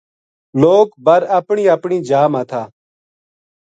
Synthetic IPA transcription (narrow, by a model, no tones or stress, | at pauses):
loːkbəɾəpɳiːəpɳiːd͡ʒaːmaːt̪ʰaː